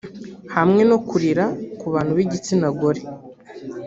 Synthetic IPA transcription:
hamŋe̞no̞kuɾiɾakuβaːn̤̥uβiɟit͡sinaɡoɾe

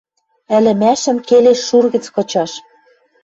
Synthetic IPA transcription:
ɘ̆lɘ̆mæʃɘ̆mkeleʃːurɣɘ̆t͡skɤ̆t͡ɕɑʃ

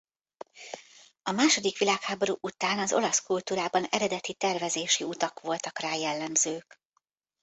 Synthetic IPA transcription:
ɒmaːʃo̞d̪ikʋilaːkhaːbo̞ɾuːʔut̪aːnɒzo̞̰lɒskult̪uːɾaːbɒnɛ̰ɾɛd̪ɛt̪it̪ɛrvɛzeːʃiut̪ɒkʋo̞lt̪ɒkraːjɛlːɛmzøːk

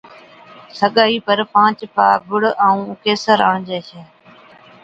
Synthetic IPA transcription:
səɠaːiːpəɾpãːt͡ʃpaːbʊɽaːũːʊkeːsəɾãːd͡ʒeːʃeː

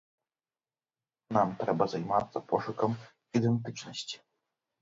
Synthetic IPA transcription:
namt̪ɾɛbazajmat̪sapɔʂɘkɔm | id̪ɛnt̪ɘt͡ʂnɔɕt͡ɕi̥

